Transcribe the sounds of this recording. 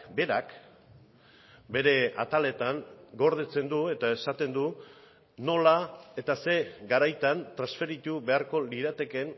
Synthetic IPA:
be̞ɾak | be̞ɾe̞at̪ale̞t̪aŋɡo̞ɾð̞et͡se̞nd̪ue̞t̪ae̞sat̪e̞nd̪u | no̞lae̞t̪ase̞ɡaɾajt̪ant̪ɾasfe̞ɾit̪ube̞aɾko̞liɾat̪e̞ke̞n

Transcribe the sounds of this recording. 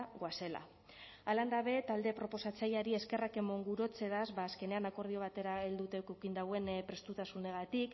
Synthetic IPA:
ɣwase̞la̰ | aland̪aβe̞t̪ald̪e̞pɾo̞po̞sat͡sajaɾie̞ske̞rake̞mo̞ŋɡuɾo̞t͡se̞ðazβaːske̞ne̞anako̞ɾð̞io̞β̞at̪e̞ɾaeld̪ut̪e̞okokind̪awe̞npɾe̞st̪ut̪asune̞ɣ̞at̪ik

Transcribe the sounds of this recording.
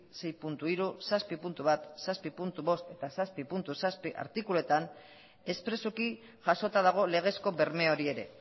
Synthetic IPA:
se̞jpunt̪uiɾusaspipunt̪uβat̪saspipunt̪uβo̞st̪e̞t̪asaspipunt̪usaspiʔa̰ɾt̪ikulue̞t̪an | e̞spɾe̞soki | ʝaso̞t̪að̞aɣ̞o̞le̞ɣ̞e̞sko̞βe̞ɾme̞o̞ɾie̞ɾe̞̰

